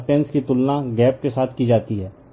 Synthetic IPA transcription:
pɛ̃ːnskit̪ʊlnãɡɛːp̚kesaːt̪ʰkid͡ʒaːt̪iɦɛː

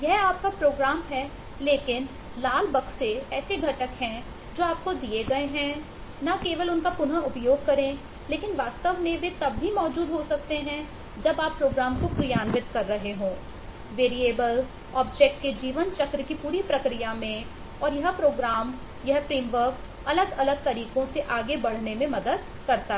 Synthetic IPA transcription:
jɛɦaːp̚kapɾoːɡɾaːmɦɛ | leːkɪn | laːlbɐkseɛːseɡʱɐʈəkɦɛ̃ | d͡ʒoːaːp̚kod̪ieɡɐeɦɛ̃ | nakeːʋəlʊnkapʊnaʊpjoːɡ̚kɐɾẽ | leːkɪnʋaːst̪əʋmẽʋet̪ɐbɦimɔːd͡ʒuːd̪ɦosɐk̚t̪eɦɛ̃ | d͡ʒɐbaːpːɾoːɡɾaːmkopɾɪjaːnʋɪt̪̚kɐɾːɐɦeɦõː | ʋeːɾieːbəl | ɔːb̚d͡ʒɛːk̚ʈked͡ʒiːʋənt͡ʃɐkɾəkipuːɾipɾɐkɾijamẽ | ɔːɾjɐɦpɾoːɡɾaːm | jɐɦpɾiːmʋəɾk | ɐləɡɐləɡ̚t̪ɐɾiːkõseʔaːɡebɐɽ̤nemẽmɐd̪əd̪̚ | kɐɾt̪a

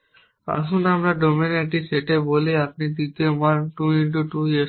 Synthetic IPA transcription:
a̰ʃ̬unamɾaɖomineʈiseʈeboliap̚nid̪it̪ewanʈuiɳʈuʈuje

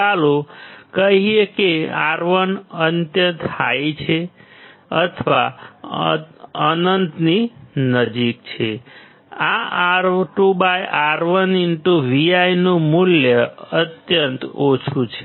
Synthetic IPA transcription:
alokəɦiekeaɾʋənənt̪jət̪hajt͡ʃʰe | ət̪ʰəʋa | ənənt̪ninəd͡ʒik̚t͡ʃʰe | aɾʈubajʔaɾʋəninʈuʋiajnomuljəət̪jənt̪ot͡ʃʰut͡ʃʰe

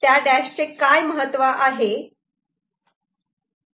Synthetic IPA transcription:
t̪jaɖæɕt͡ɕekajməɦət̪ːʋaʔaɦe

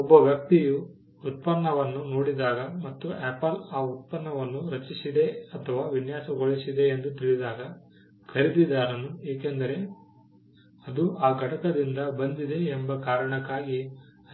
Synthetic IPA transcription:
ɔbːɐʋjɐk̚t̪ijuː | t̪̚pɐnːɐʋɐnːunoːɽid̪aːɡɐmɐt̪ːuʔepɐlaːut̪̚pɐnːɐʋɐnːuɾɐt͡ʃisid̪e̞ɐt̪ʰɐʋaːʋinjaːsɐɡoɭisid̪e̞ːnd̪ut̪iɭid̪aːɡɐ | kʰɐɾid̪id̪aːɾɐnueːkend̪ɐɾe̞ | ɐd̪uaːɡʱɐʈɐkɐd̪ind̪ɐbɐnd̪id̪e̞ːmbɐkaːɾɐɳɐkːaːɡi

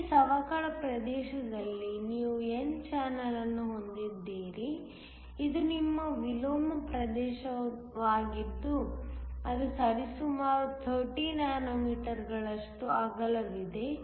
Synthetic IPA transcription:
sɐʋaːkɐɭɐpɾɐd̪ɛːʃɐd̪ɐlːiniːʋuent͡ʃaːnɐlɐnːuɦo̞nd̪id̪ːiːɾi | id̪unimːɐʋiloːmɐpɾɐd̪ɛːʃɐ | ʋaːɡid̪ːuɐd̪usɐɾisumaːɾut̪ʰɐɾʈiːnaːnomiːʈɐɾɡɐɭɐʂʈuaːɡɐlɐʋid̪e̞

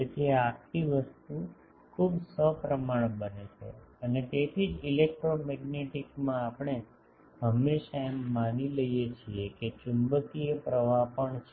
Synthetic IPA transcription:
et̪ʰieakʰʈiʋəst̪u | kʰubsəpɾəmaɳ̃bənet͡ʃʰḛ | ənet̪et̪ʰid͡ʒilek̚ʈɾomɛɡneʈikmãːpəɳ̃e | ɦəmːeʃaemːaniləjet͡ʃʰieket͡ʃumbəkiepɾəʋapəɳt͡ʃʰ

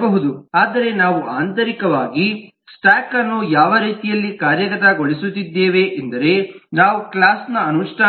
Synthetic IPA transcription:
bɐɦud̪uaːd̪ɐɾe̞naːʋuʔaːnt̪ɐɾikɐʋaːɡi | sʈaːkɐnːujaːʋɐɾiːt̪ijɐlːikaːɾjɐɡɐt̪ɐɡo̞ɭisut̪ːid̪ːeːʋe̞ʔend̪ɐɾe̞naːʋuklaːsnɐɐnuʂʈʰaː

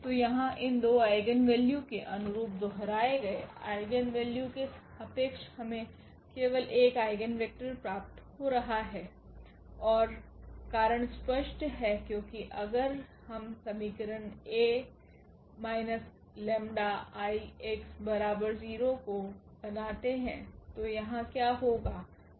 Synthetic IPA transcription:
t̪ojɐɦãʔɪnd̪oːaːɪɡənʋɛːljũkeʔɐnʊɾuːp̚d̪ɔɦɾaːeɡɐea̰ːɪɡənʋeːljukeɐpeːkʃhɐmẽ | keːʋəlʔeːkaːɪɡənʋek̚ʈəɾpɾaːp̚t̪hoɾɐɦaɦɛː | ɔːɾkaːɾəɽ̃spəʃʈɦɛkjõːkiʔɐɡəɾhɐmsɐmiːkəɾəneː | maːɪnəs | lɛ̃ːmɖaaːieksbɐɾaːbəɾziːɾokobɐnaːt̪eɦɛ̰̃t̪ojɐɦãkjaːɦoːɡaː

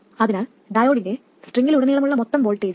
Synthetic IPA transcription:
ɐðinaːl | ɖɐjoːɽinde | sʈriŋːiluɽɐnːijɐɭɐmuɭːɐmɔt̪ːɐmʋolʈːeː

